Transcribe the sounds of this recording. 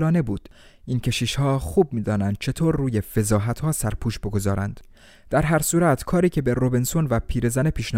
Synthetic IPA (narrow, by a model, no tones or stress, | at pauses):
lɒːne̞buːd̪̥ | ʔiːncʰe̞ʃiːʃhɒːxuːb̚miːd̪ɒːnænd̪̥̚t͡ʃʰe̞t̪ʰoːɾːuːje̞fe̞zɒːɦæt̪hɒːsæɾpʰuːʃbo̞ɡo̞zɒːɾænd̪̥ | d̪̥æɾɦæɾsuːɾæt̪ʰkʰɒːɾiːcʰe̞be̞ɾobensonvæpʰiːɾe̞zæne̞pʰiːʃn